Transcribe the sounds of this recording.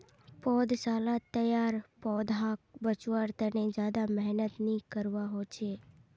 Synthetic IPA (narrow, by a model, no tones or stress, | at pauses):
pɔd̪salat̪ːəjaɾpɔd̪ɦak̚bət͡ʃʋəɾt̪əned͡ʒjad̪amɛɦnət̪nikəɾʋaɦot͡ʃʰe